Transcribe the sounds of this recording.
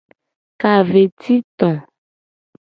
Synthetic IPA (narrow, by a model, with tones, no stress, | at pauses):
ka˨ve˨t̪i˦t̪ɔ̃˨